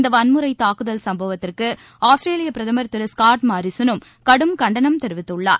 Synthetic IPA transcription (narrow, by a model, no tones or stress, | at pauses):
nd̪ɐʋɐnmɯɾɐɪt̪ːaːkɯðɐlsɐmbɐʋɐt̪ːɪrkɯ | aːsʈɾeːlɪjɐpːɪɾɐðɐmɐɾt̪ːɯɾɯskaːɾʈmaːɾɪsɐnɯm | kɐɽɯmkɐɳɖɐnɐmt̪ɛɾɯʋɪt̪ːɯɭːa̰ːɾ